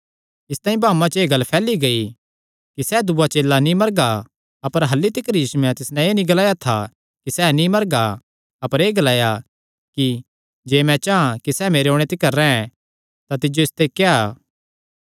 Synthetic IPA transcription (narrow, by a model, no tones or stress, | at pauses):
ɪst̪ãːĩbaːmãt͡ʃeːɡɐlːpʰɛːliɡɐi | kisɛd̪ʊbat͡ʃeːlːanĩmɐɾɡa | ɐpəɾɦɐlːit̪ɪkəɾjiːsumɛ̃t̪ɪsnɛ̃eːnĩɡɐlaːjat̪ʰa | kisɛːnĩmɐɾɡa | ɐpəɾeːɡɐlaːja | ki | d͡ʒeːmɛ̃t͡ʃaãkisɛːmeːɾeoːɽ̃et̪ekɐɾːɛ̃ɛ̃ | t̪at̪ɪd͡ʒoɪst̪ekeaː